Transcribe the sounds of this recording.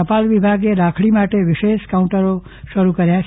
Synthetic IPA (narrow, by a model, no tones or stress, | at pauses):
əpalʋibʱaɡeɾakʰɭimaʈeʋɪʃeʃkaũɳʈəɾo | ʃəɾukəɾjãt͡ʃʰ